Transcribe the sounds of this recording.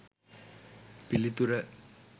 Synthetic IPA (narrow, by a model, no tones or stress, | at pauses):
pilːit̪ːuɾɐ